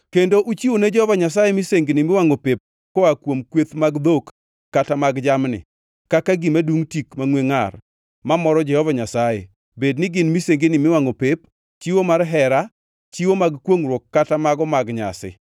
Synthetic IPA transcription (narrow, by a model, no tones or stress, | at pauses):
kendoʔut͡ʃiwoned͡ʒɛhɔvaɲas̬ajemiseŋɡɪnɪmɪwaŋopep̚ | koakwomkwet̪maɡd̪okː | atamaɡd͡ʒamnɪ̰ | kakaɡimaduŋtikmaŋweŋar | mamɔɾɔd͡ʒɛhɔvaɲasajḛ | bednɪɡɪnmiseŋɡɪnɪmɪwaŋopep̚ | t͡ʃiwomarɦɛɾa | t͡ʃiwomaɡkwoŋɾwokːatamaɡɔmaɡɲa̰sɪ̰